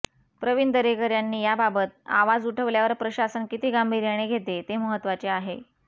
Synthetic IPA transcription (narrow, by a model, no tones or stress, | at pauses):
pɾəʋind̪əɾekəɾjanːiːjababət̪̚a̰ʋad͡zuʈʰəʋljaʋəɾpɾəɕasənkit̪iːɡambʱiɾjaɽ̃eɡʱet̪et̪eməɦət̪ːʋat͡seaɦe